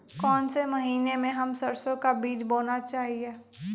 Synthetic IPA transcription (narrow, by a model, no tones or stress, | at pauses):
kɔːnsemɐɦiːnemẽɦɐmsɐɾsõkabiːd͡ʒboːnat͡ʃaːɦieː